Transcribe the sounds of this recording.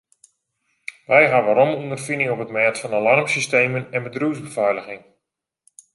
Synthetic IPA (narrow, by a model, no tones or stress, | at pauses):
ʋɛjɦaʋaɾɔmundərfinɪŋɔpətmɛːtfɑnalɑrmsisteːmənɛnbədruːzbəvɛjləɣɪŋ